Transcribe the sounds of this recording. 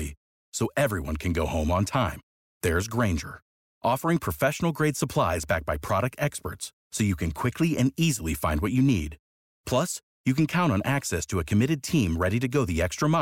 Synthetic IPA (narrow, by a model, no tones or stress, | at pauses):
i | soʊʔɛvɹiwʌ̰̃nkʰɨ̃nɡoʊhõʊ̃mə̃ntʰãɪ̃m | ðə˞ɨzɡɹẽɪ̃nd͡ʒə̰˞ | ʔɔfə˞ɪ̃ŋpʰɹ̥ɨfɛʃn̩l̩ˠɡɹeɪd̥səpʰl̥aɪzbæk̚b̥aɪpʰɹ̥ɑɾɨk̚tɛkspə̰˞tsːoʊjɨkʰɨ̃nkʰw̥ɪkʰliʔɨ̃nizl̩ˠifãɪ̃ndwʌt͡ʃɨnḭd̥ | pʰl̥ʌs | jɨkɨ̃n̩kʰãʊ̃ɾ̃tn̩ʔæksɛstʰɨɨkʰɨmɪɾɨd̚tʰĩmɹɛɾiɾɨɡoʊðiɛkstɹ̥əmã